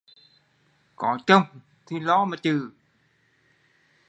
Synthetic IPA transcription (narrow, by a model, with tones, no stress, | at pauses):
kɔ˨˦t͡ɕə˧wŋ͡m | t̪ʰi˨˩lɔ˨˦maː˨˩t͡ɕɨ˨˩